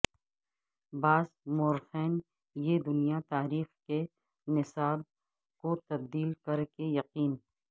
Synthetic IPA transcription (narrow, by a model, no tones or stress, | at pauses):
baːzmoːɾxɛːn | jed̪ʊnijat̪aːɾiːxke | nɪsaːb̚ | kot̪ɐb̚d̪iːlkɐɾkejɐqiːn